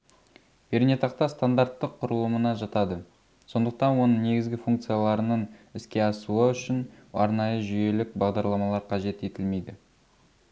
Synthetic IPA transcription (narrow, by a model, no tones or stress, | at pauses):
be̞ɾnʲet̪ɑqt̪ɑst̪and̪aɾt̪ːəqʰːʊɾəlˠəmənɑʒɑt̪ɑd̪ə | so̞nd̪əq̚t̪ɑnwo̞nəɴne̞ɡʲɪzɡʲɪfuŋk̚t̪sɨjalˠɑɾənəɴɪskʲe̞ɑsuəʏʃɪnɑ̰ɾnɑjəʒʏje̞lɪk̚bɑʁd̪ɑɾlˠɑmɑlˠɑɾqʰɑʒe̞t̪e̞t̪ɪlme̞jd̪ɪ